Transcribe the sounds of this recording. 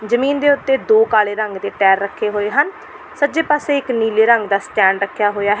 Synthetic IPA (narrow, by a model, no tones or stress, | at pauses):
d͡ʒəmiːnd̪eːʊt̪ːeːd̪oːkaːleːɾəŋɡd̪eːʈɛːɾːəkʰːeːɦoːeːɦən | səd͡ʒeːpaːseːɪkniːleːɾəŋɡd̪aːsʈɛːɳɖɾəkʰːjaːɦoːjaːɦɛ